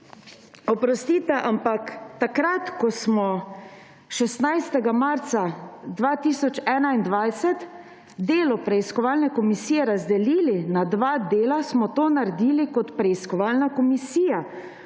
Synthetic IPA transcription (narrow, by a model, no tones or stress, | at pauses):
ɔpɾɔst̪iːt̪ɛʔampakt̪akɾat̪kɔsmɔ | ʃɛst̪najst̪ɛɡamaɾt̪sad̪ʋat̪iːsɔt͡ʃɛːnaind̪ʋajsɛt̪ | d̪eːlɔpɾɛiskɔʋalnɛkɔmisiːjɛɾazd̪ɛliːlinad̪ʋaːd̪eːlasmɔt̪oːnaɾɛd̪iːlikɔt̪pɾɛiskɔʋaːlnakɔmisiːja